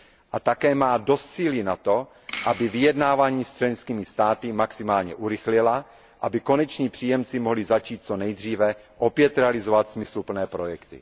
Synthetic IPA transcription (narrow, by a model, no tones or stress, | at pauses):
ʔat̪akɛːmaːdo̞st̪t͡siːlinat̪o̞ | ʔabɪvɪjɛdnaːvaːɲiːst͡ʃlɛnskiːmɪst̪aːt̪ɪmaksɪmaːlɲɛʔuɾɪxlɪla | ʔabɪko̞nɛt͡ʃɲiːpr̥iːjɛmt͡simoɦlɪzat͡ʃiːt̪̚t͡so̞nɛjd̪r̝iːvɛ | ʔo̞pjɛt̪ɾɛalɪzovat̪smɪslupl̩nɛːpɾo̞jɛkt̪ɪ̰